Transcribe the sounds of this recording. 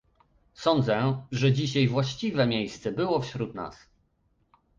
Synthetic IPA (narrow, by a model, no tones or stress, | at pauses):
sɔnd̪zɛʐɛd͡ʑiɕajvwaɕt͡ɕivɛmʲjejst̪sɛbɘwɔfɕɾut̪na̰s